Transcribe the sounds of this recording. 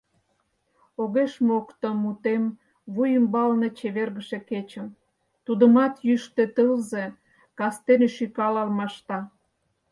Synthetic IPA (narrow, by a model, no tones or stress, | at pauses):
oɣeʃmokt̪əmːut̪em | βujəmbɑlnet͡ɕeβerɣəʃeket͡ɕə̆m | t̪ud̪ə̆mɑt̪jyʃt̪et̪əlze | kɑst̪eneʃykɑlɑlmɑʃt̪ɑ